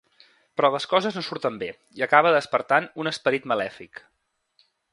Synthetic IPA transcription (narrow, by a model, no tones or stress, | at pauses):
pɾɔləskɔzəznosuɾt̪əmbe | iəkaβəðəspəɾt̪anunəspəɾit̪məlɛfik